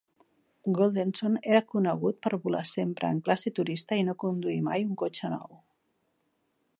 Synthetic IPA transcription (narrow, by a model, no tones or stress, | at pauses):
ɡolˠd̪ensoneɾakunəɣ̞ut̪̚pəɾβula̰sempɾə̰ːŋklaset̪uɾist̪ainokund̪uimajuŋkot͡ʃənɔ̰w